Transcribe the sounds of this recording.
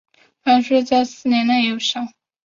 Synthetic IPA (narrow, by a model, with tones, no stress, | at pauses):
fa˥nʂɔ˥t͡sa˥˧ɪsɹ̩˥˩njɛ˧˥nna˥˩ɪjo˧˩ʂɑ˥˩˦ʊ